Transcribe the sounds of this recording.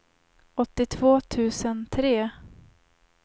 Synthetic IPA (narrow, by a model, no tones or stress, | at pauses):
ɔt̪ːɪt̪ʰv̥oːt̪ʰʉ̟ːsənt̪ʰɾeː